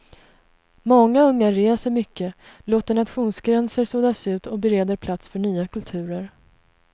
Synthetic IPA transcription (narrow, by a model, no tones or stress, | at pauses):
mɔŋːaɵŋːaɾeːsəɾmʏkːəloːt̪əɳat̪ɧuːnsɡɾɛnsəɾsoːd̪asʉ̟ːt̪ɔbɛɾeːd̪əɾpʰlat̪sfœɳyːakʰɵlt̪ʰʉ̟ːɾəɾ